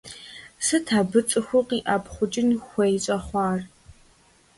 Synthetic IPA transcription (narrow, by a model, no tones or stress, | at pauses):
sɨtʰaːbɨt͡sʼɨxʷʊqiːʔapχʷʊd͡ʒʼɪnxʷejɕʼɐχʷɑːr